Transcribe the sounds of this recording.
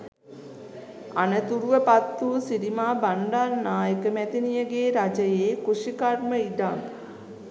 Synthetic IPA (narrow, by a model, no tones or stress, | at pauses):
anət̪uɾuʋəpat̪ːuːsiɾimaːbaɳɖarnaːjəkəmæt̪inijəɡeːɾad͡ʒəjeːkuʂikarməid̪aŋ